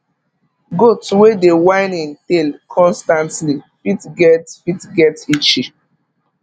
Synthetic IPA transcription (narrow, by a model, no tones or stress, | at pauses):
ɡotswedewãɪ̃nĩntelkʰɔ̃nstãntlifitɡɛtfitɡɛtit͡ʃi